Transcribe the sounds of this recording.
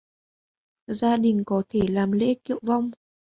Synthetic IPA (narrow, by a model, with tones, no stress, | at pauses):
zaː˧ɗï˨˩ŋ̟kɔ˨˦t̪ʰe˧˩laː˨˩mlḛ˧˥kḭ˧˨əwva˧wŋ͡m